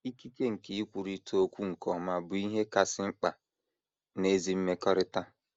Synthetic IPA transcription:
i˦ki˦ke˦ŋ̩˨ki˨i˦kʷu˨ɾi˦tʰo˦kʷu˦ŋ̩˨kɔ˦ma˨bʊ˨i˦ɦe˦ka˨sɪ˦ŋ͡m̩˦k͡pa˨ | ne˦zi˦m̩˦me˦kɔ˦ɾɪ˦ta˦

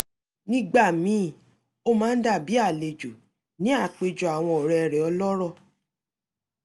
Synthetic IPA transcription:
nĩ˦ɡ͡ba˦˨mĩ˧˦˨ | o˦mãː˦˧n̩˦da˦˨bi˨˦a˦˨le˨d͡ʒu˨ | nĩ˨˦a˦˨k͡pe˧d͡ʒɔ˨a˨w̃ɔ̃˧ɔ˨ɾɛ˧ɛ˨ɾɛ˨ɔ˧lɔ˦ɾɔ˦˨

